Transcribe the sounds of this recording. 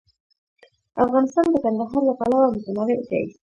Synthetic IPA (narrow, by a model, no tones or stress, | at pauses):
afɣɑnɪst̪ɑnd̪əkand̪aɦɑɾlapalawamʊzanɑɾet̪a̰jḭ